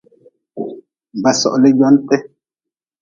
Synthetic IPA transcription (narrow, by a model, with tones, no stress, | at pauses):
m˨ba˨sɔ̰˨ʔlɛ˦d͡ʒɔ˦ntɛ˦